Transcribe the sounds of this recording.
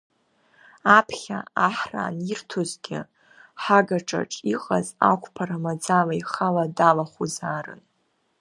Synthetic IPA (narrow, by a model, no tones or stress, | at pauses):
apʰχʲa̰aħra̰ːnirtʰozɡʲɪ̰ | ħaɡaʈ͡ʂʼa̰ʈ͡ʂʼiqʼaza̰kʷʰʼpʰaɾamad͡zalaiχaladalaχuzaːrɨ̰n